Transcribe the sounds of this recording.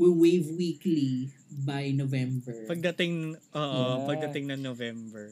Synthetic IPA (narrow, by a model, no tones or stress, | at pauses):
wɪlwejvwiːklibajnovɛ̃mbɛɹpɐɡ̚d̪ɐt̪ɪŋʔoːʔopɐɡ̚d̪ɐt̪ɪŋnɐŋnovɛmbɛɹ